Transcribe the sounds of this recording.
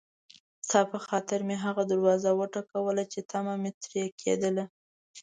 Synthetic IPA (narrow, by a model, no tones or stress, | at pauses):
st̪ɑpəxɑt̪ɪɾmeɦaɣad̪aɾwɑzawəʈakawəlat͡ʃet̪ʰamamet̪ɾjakʰḛd̪əla